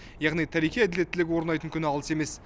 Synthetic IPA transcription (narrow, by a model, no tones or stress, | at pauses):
jɑʁnijt̪ʰæɾijqʲijæd̪elet̪ːɪlɪɡʲɪwo̞ɾənɑjt̪əŋkʲʰʏnɑlˠəse̞me̞s